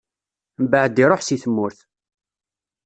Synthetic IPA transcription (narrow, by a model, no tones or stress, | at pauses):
mbəʕəd̪iɾˤoħsiθəmːʊɾθ